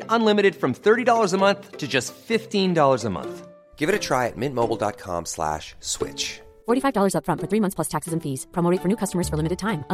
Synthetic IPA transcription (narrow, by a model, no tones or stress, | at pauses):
ɾə̃nlɪ̃mɨɾɨd̥fɹʌ̃mθɜ˞ɾidɔlˠə˞zəmʌ̃nθtʰɨd͡ʒʌstfɪftĩndɔlˠə˞zəmʌ̰̃nθ | ɡ̥ɪvɨɾɨtʰɹ̥aɪɨ̰t̚mɪ̃n̚moʊbl̩ˠdɑ̰t̚kʰɑ̰̃mslæ̰ʃswɪ̰t͡ʃ | fɔɹɾifaɪvdɔlˠə˞zʌpfɹʌ̃ntfə˞θɹimʌ̃nθspʰlʌstʰæksɨzɨ̃nfiz̥pʰɹ̥ɔmoʊeɪtfə˞nʉkʰʌstəmə˞z̥fə˞lɪmɨɾɨd̚tʰãɪ̃mə